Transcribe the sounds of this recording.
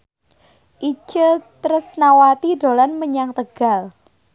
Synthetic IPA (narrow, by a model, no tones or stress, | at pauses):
ʔi̥t͡ʃət̪ɾəsnawat̪id̥o̤lanməɲaŋt̪əɡ̥a̤l